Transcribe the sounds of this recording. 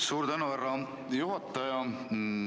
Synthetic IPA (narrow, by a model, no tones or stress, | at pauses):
suːɾt̪ænuværːɑ | juɦɑt̪ˑːɑjɑ